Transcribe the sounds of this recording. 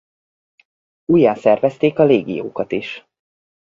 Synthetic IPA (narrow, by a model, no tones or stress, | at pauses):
ujːaːsɛrvɛst̪eːkɒleːɡḭjo̰ːkɒt̪iʃ